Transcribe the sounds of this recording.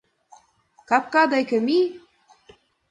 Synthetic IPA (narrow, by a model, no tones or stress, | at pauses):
kɑp̚kɑd̪ɑjkə̆mi